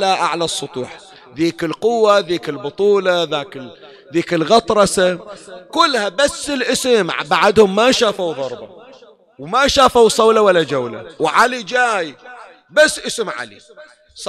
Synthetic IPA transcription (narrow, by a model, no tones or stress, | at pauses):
laʔaʕlasˤːʊt̪ˤṵːħ | ðiːkɪlqʊwːaðiːkɪlbʊt̪ˤuːlaðaːkɪ | ðiːkɪlɣɑt̪ˤɾˤɑsakʊlːhabasːɪlʔɪsɪmʕbaʕad̪hʊmːaʃaːfawðˤɑɾˤbɑ̰ | wmaʃaːfawsˤɑwlawalːad͡ʒawla̰wʕalid͡ʒaːj | basːʔɪsɪmʕa̰lḭˤ